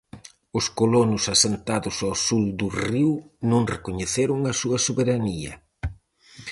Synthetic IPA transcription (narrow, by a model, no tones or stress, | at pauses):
ʊskolonʊsasent̪aðʊsawsuld̪ʊriwnõŋrekoɲeθeɾʊŋɐsuɐsoβeɾaniɐ̰